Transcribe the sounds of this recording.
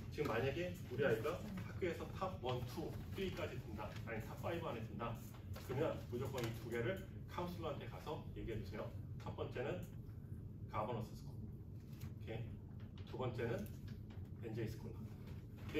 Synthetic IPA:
t͡ɕiɡɯmːaɲaɡe̞ | uɾiaik͈a | tʰak͈̚ɯesʰʌtʰab̚wʌntʰut͈iik͈ad͡ʑitwɯndamaɲaɡetʰap̚f͈aibɯanes͈ɯnda | kɯmjʌnpud͡ʑok͈ʌŋitʰuɡe̞ɾɯɭkʰaŋus͈ʰɯɡuɦant͈ʰe̞kasʰʌje̞ɡiɦe̞d͡ʑusʰe̞jotʰʌp͈ʌnt͡ɕ͈e̞nɯn | kabʌnʌs͈ʌs͈ʰko | kʰe̞ | tubʌnt͡ɕ͈e̞nɯn | end͡ʑeis͈ɯ̥k͈ʰona

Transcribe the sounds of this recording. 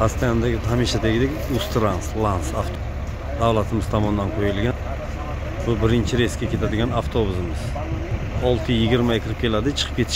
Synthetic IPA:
ast̪ejanɪd̪aɡʲɪt̪ʰamiʃat̪ʰeɡʲɪd̪ekʲ | ust̪ɾanslˠansaft̪ʰo | d̪avlˠat̪ʰɪmɪz̥t̪ʰɒmɒnd̪anqʰojɪlˠɡʲan | bʊbɪɾɪnt͡ʃʰɪɾe̞skʲakʲʰe̞t̪ʰad̪ɪɡʲanaft̪ʰobʊzɪmɪz̥ | ɒlˠt̪ʰɪjɪɡʲɪɾmaekʲʰɪɾɪp̚kʲʰe̞lad̪ɪt͡ʃʰɨ̥qʰɨp̚kʲʰeɪ̥ʃ

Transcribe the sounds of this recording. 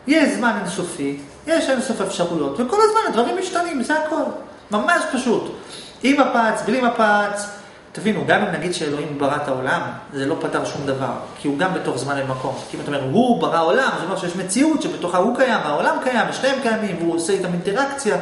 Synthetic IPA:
jeʃzmanensofi | jeʃensofefʃaʁujo̞tveko̞lazmanadvaʁimːiʃtanimbzaako̞l | mamaʃpaʃut | imapat͡sblimapat͡s | tavinuɡamimnaɡid̪ʃeelo̞himbaʁataolamze̞lo̞pataʁʃumd̪ava̰ʁkʰiuɡambeto̞χzmanlemako̞mkiimataome̞ɦubaʁao̞lamzoomeʁʃejeʃmet͡siutʃebeto̞χahukajamaolamkajambeʃne̞emkajamimvuoseit̪aminteʁakt͡sja

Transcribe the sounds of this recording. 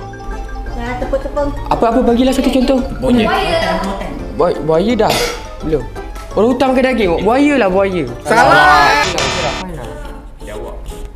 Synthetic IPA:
ʔa̰pəapəpaɡilahsat̪ut͡ʃɔnt̪ɔhuɲj | bbuajədah | bəlom | oɾaŋut̪amkadaɡɪŋbuajəlahbuajəaa | awa̰ʔ

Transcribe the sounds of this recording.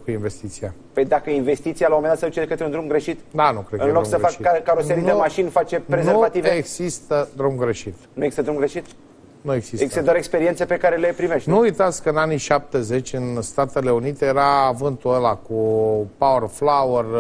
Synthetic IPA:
kuinve̞st̪it̪siapəjd̪akəinve̞st̪it̪sialawomend̪at̪səd̪ut͡ʃekət̪ɾeund̪ɾumɡɾeʃit̪d̪anukɾet̪kɨnloɾukmɡsəfakkiakːaɾoseɾind̪emaʃinfat͡ʃe̞pɾezeuvat̪iveeɡzist̪əd̪ɾumɡɾe̞ʃit̪nueɡzist̪əd̪ɾumɡɾeʃit̪ | nue̞ɡz̥iseɡzist̪əd̪aɾekspeɾiensepe̞kaɾele̞pɾimeʃt̪nuujt̪at̪sʲkəɨnaniʃap̚t̪e̞ze̞t͡ʃʲɨnst̪at̪e̞le̞unit̪e̞jeɾaːvɨnt̪uelakupawərflawər

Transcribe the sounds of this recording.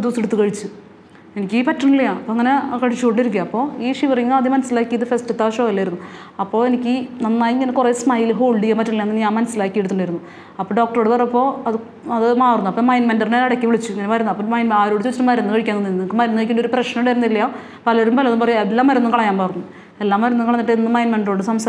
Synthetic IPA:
d̪useɽut̪ːukɐɻit͡ɕːɨ | e̞nikʲːiːpɐtːɐɳilːɐjaːɐpːoːɐŋːɐne̞kɐɻit͡ɕːuko̞ɳɖiɾuk̬ʲːuaːɐpːo̞ːiːʂiʋɐriŋːɐɐðimɐnɐsːilaːkːijɐðɨfestɨt̪ːaːʂoːilːaːjiɾunːu | ɐpːo̞ːenikʲːɨnɐnːaːjiŋːɐnekureːsmaːjilɦo̞ːɭɖijaːmpɐtːɐɳilːjaɐnːɐniaːmɐnɐsːilaːkːijeɽt̪ːuɳɖajiɾunːu | ɐpːoɖo̞ːk̚ʈɐroːɽɨpɐrɐɐpːo̞ːɐðɨ | ɐðɨmaːrɨnuɐpːoːmɐjnmendɐrneɐɽɐkʲːiʋiɭit͡ɕːueŋːɐnemɐɾɐnːuɐpːoːmɐjnmaːɾoːɽɨt͡ɕːuʋɐt͡ɕːiʈːɨmɐɾɐnːɨkɐɻikʲːanːɐnːnnkːɨmɐɾɐnːuekʲːunːɖo̞ɾuprɐʂnɐɽeɾunːilːɐja | pɐlɐɾumpɐlɐnumpɐrɐjelːaːmːɐɾɐnːɨmkɐɭɐjaːmmaːrnːu | elːaːmːɐɾɐnːukɐɭɐɲːiʈːɨenːɨmɐjnmeɳɖo̞ːɖɨsɐms

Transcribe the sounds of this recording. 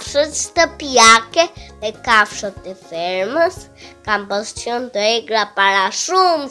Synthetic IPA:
fʃət͡ʃt̪əpjakɛðɛkafʃɔt̪ːɛfɛɾməs | kampɔst͡ʃɔnt̪əɛɡɾapaɾaʃum

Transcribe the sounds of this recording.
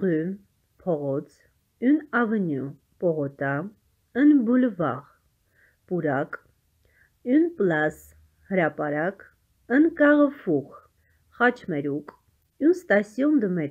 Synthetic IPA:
ʁym | pʰɔʁɔt͡sʰ | unɑvənju | pɔʁɔt̪ɑ | ənbulvɑ̰ʁ | puɾɑkʼ | unplɑs | həɾɑpɑɾɑk | ənkɑʁəfuχ | χɑt͡ʃʰmɛɾukʼ | unst̪ɑsjɔnd̪əmɛ

